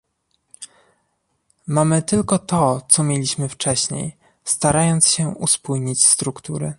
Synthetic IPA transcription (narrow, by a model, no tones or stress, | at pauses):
mamɘt̪ɘlkɔt̪ɔt̪sɔmʲjelʲiɕmɘft͡ʂɛɕɲḛj | st̪aɾajɔnt̪sɕɛṵspujɲit͡ɕst̪ɾukt̪uɾɘ̰